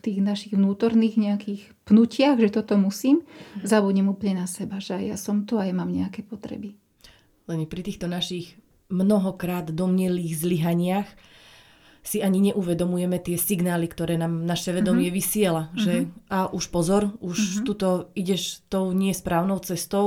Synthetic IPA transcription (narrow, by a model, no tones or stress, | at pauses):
ft̪iːɣnaʃiɣʋnuːt̪ɔɾniːɣɲɛakiːx | pnucɪaɣʒɛt̪ɔt̪ɔmusiːmzabuɲɛmuːplɲɛnasɛbaʒɛaja̰sɔmt̪ɔajamaːmɲɛakɛːpɔt̪ɾɛ̰bi | lɛnpɾit̪iːxt̪ɔnaʃiɣ | mnɔɦɔkɾaːd̪d̪ɔmɲɛliːɣzliɦaɲɪax | siaɲiɲɛʔuʋɛd̪ɔmujɛmɛt̪ɪɛsiɡnaːlikt̪ɔɾɛːnaːmnaʃɛʋɛd̪ɔmɪɛʋisɪɛlaʒɛaʔuʃpɔzɔɾuʃt̪ut̪ɔiɟɛʃt̪ɔʊɲɪɛspɾaːʊnɔʊt͡sɛst̪ɔʊ